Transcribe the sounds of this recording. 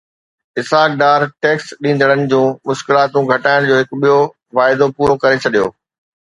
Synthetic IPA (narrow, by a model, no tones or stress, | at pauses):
ɪsaːk̚ɖaːɾʈeːksɗĩːnd̪əɽ̃ənɪ̆d͡ʑũːmʊʃkɪlaːt̪ũɡʱɐʈaːɪɽ̃d͡ʑoːɦɪkʊɓijo | ʋaːɪd̪opuːɾokɐɾet͡ɕʰɐɗijo̰ː